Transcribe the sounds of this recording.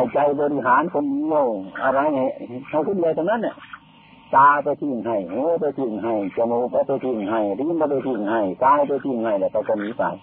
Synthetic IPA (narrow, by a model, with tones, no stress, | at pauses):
ha˧˩jt͡ɕa˧jbɔː˧ɾi˧ɦaː˨˦nkʰo˧˨ndi˧ə˨wʔa˧˩ɾa˧jha˨˩jha˧˩jkʰu˧˨ndi˧˨ət̪ʰna˧˥nːa˧˩˨ | t̪aː˧pa˧jt̪ʰi˧˩˨ŋɦa˧˩jŋɯː˧˥˦p̬a˧jt̪ʰi˧˩ŋɦa˧˩jt͡ɕa˧mu˧pa˧˩pa˧˩jt̪ʰi˧˩ŋɦa˧˩jɾi˧˥˨npa˧p̬a˧jt̪ʰi˧˩ŋha˧˩jkaː˧jpjt̪ʰi˧˩ŋha˧˩jlɛː˧˩kʰa˧˩kɔː˧˩miː˧˥faː˨˩j